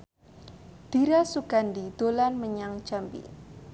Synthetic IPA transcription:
d̪̥iɾasuɡ̥andid̪̥olanməɲaŋd͡ʒampḭ

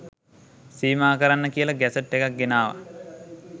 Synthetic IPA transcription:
siːmaːkəɾanːəkijəlaɡæsəʈːekak̚ɡenaːʋa̰

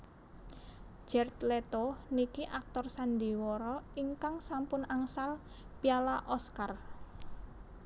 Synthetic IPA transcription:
d͡ʒ̥ɛrt̪let̪onikiʔak̚t̪ɔrsand̪i̤wɔɾɔiŋkaŋsampʊnaŋsal | pialaʔɔskar

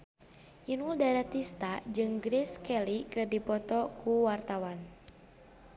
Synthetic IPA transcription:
ʔinuldaɾat̪ist̪ad͡ʒɨŋɡɾiskɛlikɨrdipɔt̪ɔkuwart̪awan

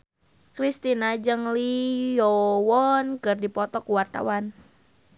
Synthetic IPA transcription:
kɾist̪inad͡ʒɨŋlijɔwɔnkɨrdipɔt̪ɔkuwart̪a̰wan

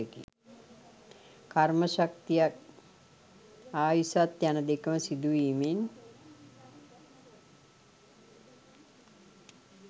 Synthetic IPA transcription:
ekḭ | karməʃak̚t̪ijak | aːjisat̪janəd̪ekəməsid̪uʋiːmin

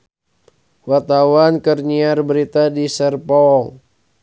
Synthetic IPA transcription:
wat̪awankərɲiarbəɾit̪adisərpɔl

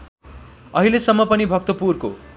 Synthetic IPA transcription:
ʌɦilesʌmːʌpʌnibʱʌk̚t̪ʌpurko̰

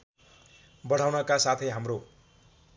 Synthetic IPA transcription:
bʌɽ̤awnʌkasat̪ʰʌjɦamro

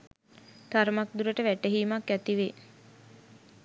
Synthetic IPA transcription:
t̪aɾmak̚d̪uɾəʈəʋæʈeɦiːmakːæt̪iʋe

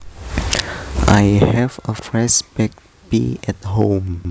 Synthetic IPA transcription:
ʔajhɛvɔfɹɛsbɛk̚ | bḭɛthõm

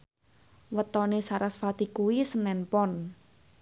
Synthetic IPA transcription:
wət̪ɔnesaɾasfat̪ikuwisənɛnpɔn

